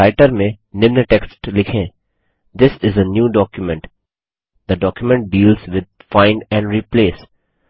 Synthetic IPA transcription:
aɪʈəɾmẽ | nɪ̃mnəʈeksʈlɪkʰẽ | d̪ɪsɪzənjuːɖɔːkjʊmɛ̃ɳʈ | d̪əɖɔːkjʊmɛ̃ɳʈ̚ɖiːlzʋɪd̪̚fãɪ̃nɛ̃ɳɖɾiːpleːs

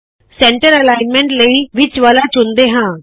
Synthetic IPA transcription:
sɛ̃ːɳʈəɾəlaːɪnmɛ̃ɳʈləiːʋɪt͡ʃʋaːlaːt͡ʃʊnd̪eːɦãː

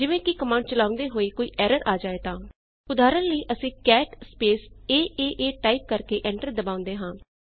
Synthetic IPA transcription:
d͡ʒɪʋẽːkɪkəmãːɳɖ̚t͡ʃəlaːʊ̃nd̪eːɦoːiːkoːiːʔɛːɾəɾʔaːd͡ʒaːeːt̪ãː | ʊd̪aːɾənləiːʔəsĩːkɛːʈspeːseːʔeːʔeːʈaːiːp̚kəɾkeːʔɛ̃ːɳʈəɾd̪əbaːʊ̃nd̪eːɦãː

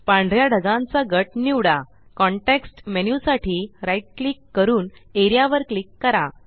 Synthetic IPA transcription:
pãɳɖʱɾjaɖʱəɡãnt͡saɡəʈniwɽa | kɔɳʈeksʈmenjusaʈʰiːɾajʈ̚klikːəɾuːneɾjaʋəɾklikːəɾa

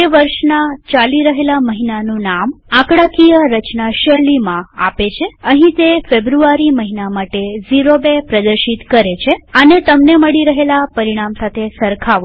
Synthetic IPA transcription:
eʋəɾʃnat͡ʃaliɾəɦelaməɦinanũnamãkɽakijəɾət͡ʃnaʃəɾlimãa̰pet͡ʃʰeəɦĩt̪efebɾuaɾiməɦinamaʈeziɾobepɾəd̪əɾʃit̪kəɾet͡ʃʰeənet̪əmneməɭiɾəɦelapəɾiɽ̃amsat̪ʰesəɾkʰaʋo

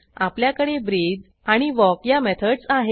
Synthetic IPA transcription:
apljakəɽebɾid͡z | aɽ̃iʋɔkjamɛt̪ʰəɽsaɦe

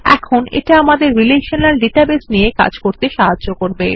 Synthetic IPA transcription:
ɛ̰kʰonḛʈaamad̪eɾːileʃonalɖiʈabesnijeka̰d͡ʑkoɾt̪eʃaɦɦaːokoɾbe

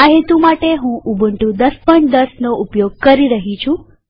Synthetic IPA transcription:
aɦet̪umaʈeɦũʔubʱəɳʈũd̪əspəɳʈd̪əsnoʔupjoɡ̚kəɾiɾəɦit͡ʃʰũ

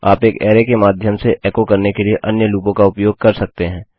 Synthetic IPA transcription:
a̰ːpeːkɛːɾekemaːd̪ʱjəmseʔɛːkokɐɾnekelieʔɐnjəluːpõkaʊpjoːɡ̚kɐɾsɐk̚t̪eɦɛ̃ː

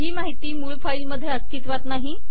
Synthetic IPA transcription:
ɦiːmaɦit̪iːmuːɭfailməd̪ʱːjeəst̪it̪ʋat̪naɦi

